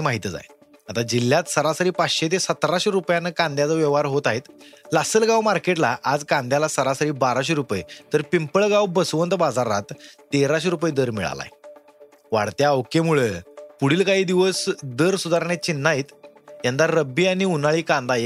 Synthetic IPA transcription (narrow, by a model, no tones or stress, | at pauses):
imaɦit̪d͡za̰j | at̪ad͡ʑilːjat̪səɾasəɾiːpaɕet̪̬esət̪ɾaɕeɾupjanəkãnd̪jat͡səʋjəʋɦaɾɦot̪aɦet̪lasəlɡawmaɾkeʈlaʔad͡zkãnd̪jalasəɾasəɾiːbaɾaɕ̬iɾupəjt̪əɾpimpəɭɡawbəsʋənt̪bad͡zaɾa̰t̪ː | eɾaɕ̬iɾupəjd̪əɾmḭɭa̰la̰j | ʋa̰ɽt̪jaəʋkemuɭepuɽiːlkaɦiːd̪iʋəsd̪əɾsud̪aɾɳet͡ɕinːaɦiːt̪jand̪aɾːəbiːañiunaɭiːkãnd̪aje